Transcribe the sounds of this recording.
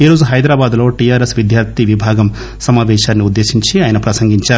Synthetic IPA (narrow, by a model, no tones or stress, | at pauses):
iːɾoːd͡ʒuɦɐjd̪ɾaːbaːd̪lo̞ːʈijaːɾesʋid̪ʱjaːɾt̪iʋibʱaːɡɐm | sɐmaːʋɛːʃaːnːiud̪ːeːʃiɲt͡ʃiaːjɐnɐpɾɐsɐŋɡiɲt͡ʃaːɾu